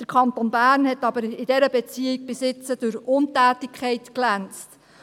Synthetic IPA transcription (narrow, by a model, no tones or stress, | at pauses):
d̥əɾkʰχɑntonbæːrnhɛtɑbəɾɪd̥ɛɾəbɛt͡siɪɡ̚bɪsɪt͡səd̥ʊɾʊntæːtɪkʰɛɪtklænt͡st